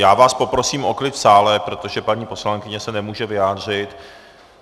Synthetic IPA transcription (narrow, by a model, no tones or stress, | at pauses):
jaːvaːspo̞pɾosiːmʔo̞klɪt̪saːlɛpɾo̞t̪o̞ʒɛpaɲiːpo̞slaŋkɪɲɛsɛnɛmuːʒɛvɪjaːdr̝ɪt̪